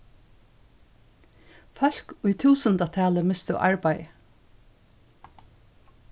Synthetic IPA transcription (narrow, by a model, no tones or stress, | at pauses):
fɔl̥kʊjt̪ʰuːsənt̪at̪ʰæːləmɪst̪ʊ̰ʔa̰ɹpaj